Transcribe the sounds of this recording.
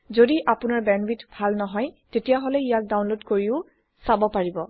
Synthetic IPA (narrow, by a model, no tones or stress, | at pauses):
zodiʔapʊnaɹbɛnwitbʱalnɔɦɔjtetijaɦolɛijak̚dawnlodkoɹiʊ | sabɔpaɹibɔ